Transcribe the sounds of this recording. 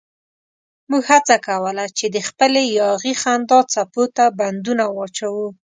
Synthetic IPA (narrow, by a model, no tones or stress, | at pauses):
muɡhat͡sakawəlat͡ʃed̪əxpəlejɑɣixand̪ɑt͡sapot̪aband̪unawɑt͡ʃawu